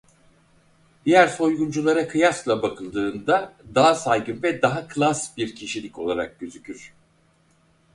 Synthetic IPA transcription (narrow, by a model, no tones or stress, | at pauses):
d̪̥ijæɾso̞jɡund͡ʒulˠaɾakʰɯjaslˠabakʰɯlˠd̪ɯːnd̪ad̪aɦasajɡɯnvɛd̪aɦakʰlˠasbiɾcʰiʃilʲico̞lˠaɾa̰k̚ɟøzycʰyɾ̥